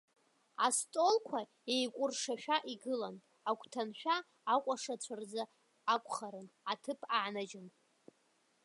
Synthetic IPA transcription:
astʼo̞lkʷʰa | ejkʷʼʊrʂaʃᶣaʔiɡɨlan | akʷʰʼtʰanħʷᶣaː | kʷʼaʂat͡ɕʷʰard͡zaː | kʷʼχaɾɨnatʰɨpʰaʕnad͡ʒɪn

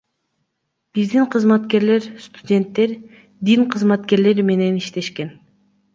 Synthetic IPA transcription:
b̥izd̪iɴqʰɯzmat̪ke̞ɾle̞ɾst̪u̥dʲe̞nt̪ːe̞ɾ | d̪iŋqʰɯzmat̪ke̞ɾle̞ɾme̞ne̞niʃt̪e̞ʃke̞n

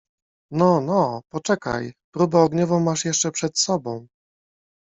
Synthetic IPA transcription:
nɔnɔpɔt͡ʂɛka̰jpɾubɛɔɡɲɔvɔ̃w̃maʂjɛʂt͡ʂɛpʂɛt̪sɔbɔ̃w̃

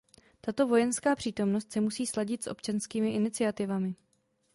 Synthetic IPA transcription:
t̪at̪o̞vo̞jɛnskaːpr̥iːt̪o̞mno̞st̪sɛmusiːslaɟɪt̪sʔo̞̰pt͡ʃanskiːmɪʔɪnɪt͡sɪat̪ɪvamɪ

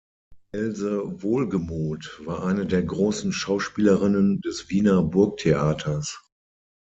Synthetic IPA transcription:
ʔɛlzəvoːlɡəmuːtv̥aːɐʔaɪnədeːɐɡʁoːsn̩ʃaʊʃpiːləʁɪnəndɛsv̥iːnɐbʊɐk̚tʰeʔaːtʰɐs

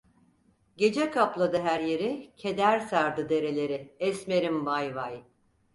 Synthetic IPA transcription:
ɟe̞d͡ʒɛkʰaplˠad̪ɯɦæɾje̞ɾicʰe̞d̪æɾsaɾd̪ɯd̪e̞ɾe̞lʲe̞ɾɪɛsme̞ɾimbajvaj

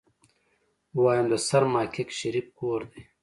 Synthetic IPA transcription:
waːjɐmd̪ɐsɐɾmaːkʰekɕɐɾip̚koːɾd̪e

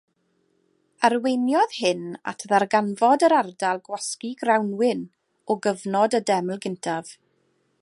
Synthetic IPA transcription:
arwejnjɔð̥hɪna̰tʰðarɡanvɔdəɾardalˠɡwaskiɡrawnwɪn | ɔɡəvnɔdədɛml̩ˠɡɪntʰav̥

